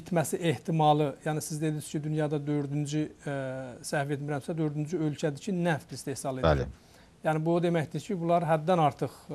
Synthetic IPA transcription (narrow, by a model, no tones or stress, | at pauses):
it̪ʰmæsiʔe̞ht̪ʰimɑlˠɯjænisizd̪e̞d̪iscʰid̪ynjɑd̪ɑd̪ø̞ɾd̪ynd͡ʒy | sæfet̪miɾæmsæd̪ø̞ɾd̪ynd͡ʒyølcʰæd̪icʰinæft̪ist̪ʰe̞hsɑlˠe̞d̪̰læ | jæːnɪbud̪emæçd̪icʰibulˠɑɾɦæd̪ːænɑɾt̪ʰɯχ